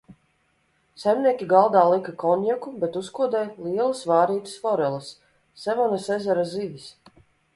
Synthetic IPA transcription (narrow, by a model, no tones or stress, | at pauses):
sɛjmniɛkʲiɡalˠd̪aːlˠikakɔnʲjɛkubet̪uskuɔd̪ɛjlˠiɛlˠasvaːɾiːt̪ɨ̥sfɔɾɛlˠɨsː | ɛvɔnasezɛɾazivʲis